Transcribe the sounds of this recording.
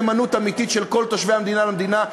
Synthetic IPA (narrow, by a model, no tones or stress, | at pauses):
manut̪amit̪it̪ʃelko̞lt̪oʃvehamd̪inalamd̪ina